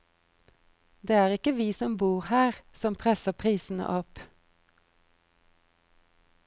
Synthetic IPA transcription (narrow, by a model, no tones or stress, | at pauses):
d̪eːæːʁɪkəʋiːsɔmbuːʁhæːʁsɔmpʰʁɛsəpʰʁiːsn̩ə̰ʔɔp